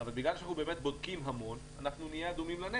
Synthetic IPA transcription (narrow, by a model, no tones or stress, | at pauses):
avalbiɡlalʃeanaχnubemet̪̚bod̪kimɦamo̞n | anaχnunijead̪umimlane